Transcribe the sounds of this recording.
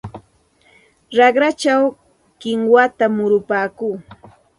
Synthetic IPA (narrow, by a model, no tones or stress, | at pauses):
ɾɑɢɾat͡ʃaw | kɪŋwat̪amʊɾʊpaːkuː